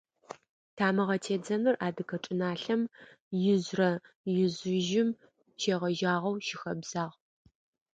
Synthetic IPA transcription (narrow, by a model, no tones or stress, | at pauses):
tʰaːmɨʁɐtʰeːd͡zɐnɨrʔaːdɨkʰɐʈ͡ʂʼɪnaːɬɐm | jɪzrɐ | jɪzʊʒɪm | t͡ʃʰeːʁɐʒaːʁɐwʃɪxɐbz̥aːʁ